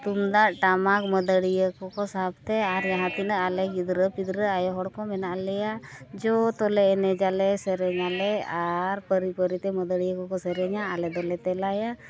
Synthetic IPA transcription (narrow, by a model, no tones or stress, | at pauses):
t̪umd̪aʔʈamak̚məd̪əɽijəkɔkɔsaɦb̚t̪ɛaɾd͡ʒaɦãt̪inəʔalɛɡid̪ɾəpid̪ɾəajɔɦɔɽkɔmɛnaʔlɛjad͡ʒɔt̪ɔlɛːnɛd͡ʒalɛsɛɾɛɲalɛaɾpəɾipəɾit̪ɛməd̪əɽijəkɔkɔsɛɾɛɲaʔalɛd̪ɔlɛt̪ɛlaja